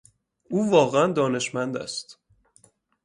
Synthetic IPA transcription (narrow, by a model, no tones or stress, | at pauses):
uːvɒːɣeænd̪ɒːne̞ʃmænd̪æ̰st̪